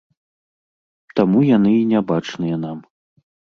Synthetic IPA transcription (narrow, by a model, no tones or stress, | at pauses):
t̪amujanɨinʲabat͡ʂnɨjɐnam